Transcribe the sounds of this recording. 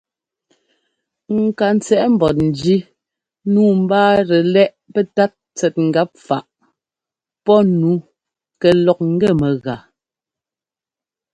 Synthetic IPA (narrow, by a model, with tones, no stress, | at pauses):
ŋ̩˨ka˨n˦t͡sɛ˨ʔm̩˨bɔ˨t̚n̩˨d͡ʒi˦ | nuː˦m̩˦baː˦ɾɛ˨lɛ˦ʔpɛ˦ta˦t̚t͡sɛ˨t̚ŋ̩˨ɡa˦p̚fa˨ʔ | pɔ˦nu˨˦ | kɛ˨lɔ˨k̚ŋ̩˦ɡɛ˦˨mɛ˨ɣa˨